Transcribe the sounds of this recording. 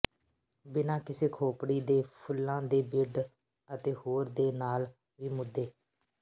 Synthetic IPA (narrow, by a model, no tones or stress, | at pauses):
bɪnãːkɪseːkʰoːpɽiːd̪eːpʰʊlːãːd̪eːbɪɖ | ət̪eːhoːɾd̪eːnaːl | ʋiːmʊd̪ːeː